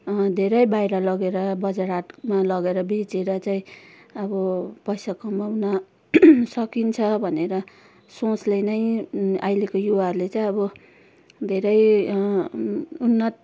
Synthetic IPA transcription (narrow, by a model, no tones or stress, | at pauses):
d̪ʱeɾʌjbajɾʌlʌɡeɾʌbʌd͡zaɾaʈmalʌɡeɾʌbet͡seɾʌt͡saĩʌbʌpʌjsakʌmawna | sʌkint͡sʰʌbʱʌneɾʌ | sõt͡slenʌjajlekojuwarlet͡saĩʌbʌ | d̪ʱeɾʌj | unːʌt̪